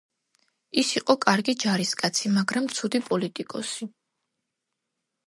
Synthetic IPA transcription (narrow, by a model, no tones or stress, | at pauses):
isiqʼɔkʼaɾɡid͡ʒaɾiskʼat̪sʰimaɡɾamt̪sʰud̪ipʼɔlit̪ʼikʼɔsi